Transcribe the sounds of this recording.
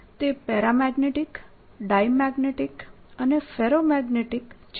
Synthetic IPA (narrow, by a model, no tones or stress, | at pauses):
t̪epɛɾamɛɡneʈik | ɖajmɛɡneʈik | ənefeɾomɛɡneʈikt͡ʃ